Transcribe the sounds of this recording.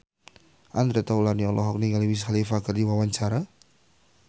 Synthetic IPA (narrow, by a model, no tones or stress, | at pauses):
ʔand̪ɾɛt̪aulaniɔlʔɔɦɔk̚niŋaliwis̬xalifakardiwawaɲt͡ʃaɾa